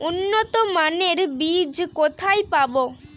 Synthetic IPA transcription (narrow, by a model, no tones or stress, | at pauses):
unːot̪omaneɾbid͡ʒkot̪ʰajpabo